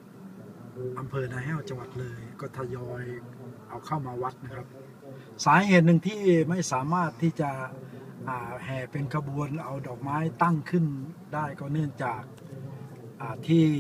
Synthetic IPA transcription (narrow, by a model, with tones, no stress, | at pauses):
ʔa˧mpʰɤː˧naː˧ɦɛː˧˥˩wt͡ɕa˧ŋwa˨t̪̚lɤː˧jkɔː˧˥˩t̪ʰa˧˩jɔː˧jʔa˧˩wkʰa˧˥˩wmaː˧wa˦˥t̪̚na˧kʰa˦˧˥p̚ | saː˨˦heː˨˩t̪̬̚nɯ˧ŋt̪ʰiː˥˩ma˥˩jsaː˨˩˦maː˥˩t̪ʰːiː˧˥˩t͡ɕa˨˩ʔaː˨˩hɛː˨˩pe˧nkʰa˧bu˧ənʔa˧wdɔː˨˩k̚maː˦˥jt̪a˥˩ŋkʰɯ˧˥˩ndaː˥˩jkɔː˧˩nɯ˥˩əŋt͡ɕaː˨˩k̚ | ʔaː˨˩t̪ʰiː˧˥˩